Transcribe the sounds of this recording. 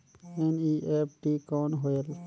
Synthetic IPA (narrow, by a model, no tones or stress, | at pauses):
eniʔep̚ʰʈikoːnɦoel